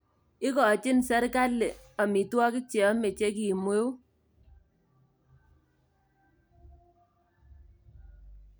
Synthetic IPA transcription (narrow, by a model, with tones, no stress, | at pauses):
ɪ˦kɔ˨t͡ʃɪ˦nsɛ˦ɾka˦lːe˨ | ɔ˨mi˨twɔ˦kɪ˦k̚t͡ʃe˨ɔ˦me˨t͡ʃe˦k̬i˨mwe˦u˦